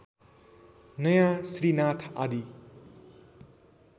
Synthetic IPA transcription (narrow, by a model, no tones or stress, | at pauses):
nʌjãsɾinat̪ʰad̪i